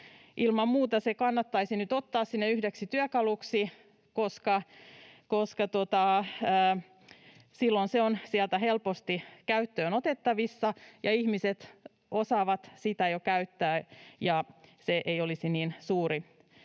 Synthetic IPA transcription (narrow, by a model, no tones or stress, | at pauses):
ʔilmɑmmuːt̪ɑsekɑnːɑt̪ːɑisinyt̪ot̪ːɑːssinːeyhdeksit̪yøkɑluksi | koskɑ | koskɑt̪ot̪ɑə | silːonseonsiælt̪æhelpost̪ikæyt̪ːøːnot̪et̪ːɑʋisːɑjɑihmiset̪ | ʔosɑːʋɑt̪sit̪æjokæyt̪ːæːjɑseʔeijolisiniːnsuːɾi